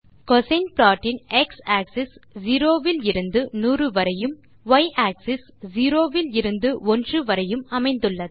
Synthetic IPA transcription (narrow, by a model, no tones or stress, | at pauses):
kɔsɐɪnplaːʈːɪnɛksaːksɪsd͡ʒiːɾoːʋɪlɪɾɯnd̪ɯnuːrɯʋɐɾɐjɯm | ʋɐɪʔaːksɪs | d͡ʒiːɾoːʋɪlɪɾɯnd̪ɯʔɔndrɯʋɐɾɐjɯmɐmɐɪnd̪ɯɭːɐðɯ